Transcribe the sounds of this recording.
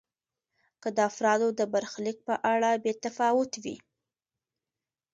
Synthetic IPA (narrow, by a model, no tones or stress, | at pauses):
kəd̪əafɾɑd̪od̪əbaɾxlik̚pəʔaɽabet̪afɑwʊt̪wḭ